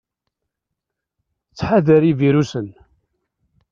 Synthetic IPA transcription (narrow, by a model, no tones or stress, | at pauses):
t͡sːħaðəɾiviɾusən